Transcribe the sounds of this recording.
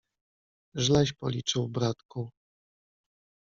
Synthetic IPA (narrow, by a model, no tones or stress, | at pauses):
ʐlɛɕpɔ̰lʲit͡ʂɘwbɾat̪ku